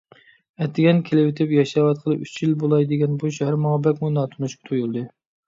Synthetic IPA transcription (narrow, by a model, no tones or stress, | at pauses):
ɛt̪ʰːɪɡʲɛnkʲʰelɪwɪt̪ʰɪpjɑʃɑwɑt̪̚qʰəlˠɨyt͡ʃʰjilbolˠɑjd̪ɪɡʲɛnbuʃhæɾmɑŋɑbɛkʲmujnɑːt̪ʰunuʃkʲɪ̥t̪ʰojulˠd̪ɨ